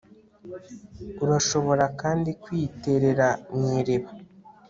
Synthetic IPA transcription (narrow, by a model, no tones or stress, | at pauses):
uɾaʃo̞βo̞ɾakaːndikwiːte̞ɾe̞ɾaɲiːɾeβa